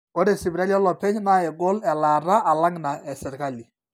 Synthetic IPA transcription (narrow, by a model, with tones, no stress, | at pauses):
o˦ɾe˨sɪ˨bɾa˦ljɔ˦lɔ˨pɛ˦ɲna˦e˨ɡo˦lɛ˨la˨ɾa˦ʔa˨la˦ŋna˨ɛ˨sɛ˨ɾka˦li˨